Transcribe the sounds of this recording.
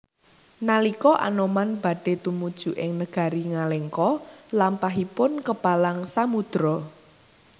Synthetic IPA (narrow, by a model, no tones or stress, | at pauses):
nalikɔʔa̰nɔmanb̥ä̤ɖ̥e̤t̪umud̥ʒ̥ṳʔɪŋnəɡ̥a̤ɾiŋalɛŋkɔlampaɦipʊnkəpalaŋsamud̪̥ɾɔ